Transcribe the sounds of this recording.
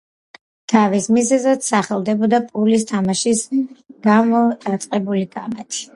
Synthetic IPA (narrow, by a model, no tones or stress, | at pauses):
t̪ʰavismizɛzad̪saχɛlˠd̪ɛbɔd̪apʼulis̬t̪ʰamaʃisɡ̥amɔat̪sʼqʼɛbulikʼamat̪ʰi̥